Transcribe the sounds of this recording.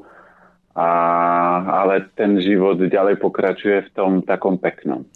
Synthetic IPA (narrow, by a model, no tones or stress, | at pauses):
a | alɛt̪ɛnʒiʋɔd̪ɟalɛjpɔkɾat͡ʃujɛft̪ɔmt̪akɔmpɛknɔ̰m